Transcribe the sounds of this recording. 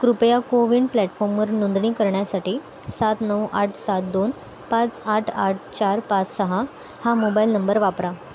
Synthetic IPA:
kɾupjakoʋiɳɖplɛʈfɔɾmʋəɾnond̪ɳiːkəɾɳjasaʈiː | sat̪nəwʔaʈʰsat̪̚d̪on | pãt͡saʈʰa̰ʈ̚ʰt͡ɕaɾpãt͡ssəɦa | hamobailnəmbəɾʋapɾa

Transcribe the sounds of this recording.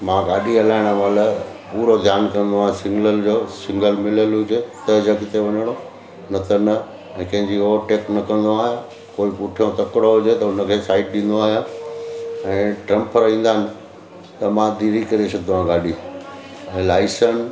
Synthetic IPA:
mãɡaːɗiɐlaːɪɽ̃ʋaləpuːɾod̪ʱjaːnkɐ̃nd̪oaːɦɪ̃sɪ̃ŋɡləld͡ʑoːsɪ̃ŋɡəlmɪləlɦʊd͡ʑet̪ɐɦd͡ʑəɡt̪eʋɐɲəɽ̃o | nɐt̪ɐnɐ | ɛ̃ːkɐ̃ɦɪ̃ɲd͡ʑioːʈeːknɐkɐ̃nd̪oaːɦijõ | koːipʊʈʰijõt̪ɐkɽoɦʊd͡ʑet̪ɐʊnə̆kʰeːsaːɪʈ̚ɗɪ̃ːn̆d̪oaːɦjõ | ɛ̃ːʈɾɐ̃mpʰəɾĩːn̆d̪aːɦɪnɪ̆ | t̪ɐmãd̪iːɾikɐɾesʰot̪ɐʋ̤ãɡaːɗi | ɛ̃ːlaːɪsən

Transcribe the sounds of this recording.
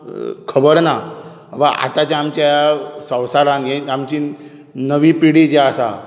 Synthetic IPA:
kʰəbəɾna | ʋaʔa̰t̪at͡ɕaamt͡ɕjasə̃wsaɾãnjeamt͡ɕi | nəʋipiɽid͡ʑeasa̰

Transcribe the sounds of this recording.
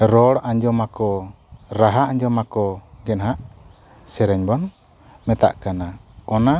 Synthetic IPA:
ɾɔɽaɲd͡ʒɔmakɔ | ɾaɦaaɲd͡ʒɔmakɔɡɛnɦaʔ | sɛɾɛɲbɔn | mɛt̪a̰ʔkanaɔna

